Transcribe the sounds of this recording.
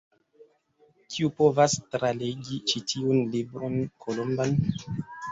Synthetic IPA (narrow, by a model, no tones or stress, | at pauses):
kʰiupo̞vastɾaleɡit͡ʃitʰiunlibɾonkʰolomban